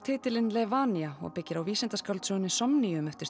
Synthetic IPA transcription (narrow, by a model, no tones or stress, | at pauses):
t̪ʰɪːt̪ɪlɪnlɛvaːniaɔ̰ɣpɪcːɪɾawviːsɛnt̪askawlt̪sœːɣʏnːɪsɔmniʏmɛft̪ɪ̥